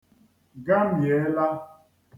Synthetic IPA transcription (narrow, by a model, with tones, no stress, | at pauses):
ɡa˦m̩˦je˨˦la˦